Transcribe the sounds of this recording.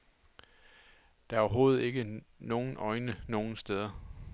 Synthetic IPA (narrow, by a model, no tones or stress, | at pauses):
d̥ɑ̈æɐɒɐɦo̝ːð̩ˠe̝ɡ̥əno̝ːn̩ʔɒ̽ɪnəno̝ːn̩sd̥eð̞ˠɐ